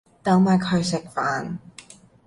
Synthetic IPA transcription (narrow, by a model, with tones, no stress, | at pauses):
t̪ɐ˨˧˥wmaː˨˩kʰɵ˨˧ɥsɪ˨k̚faː˨˥n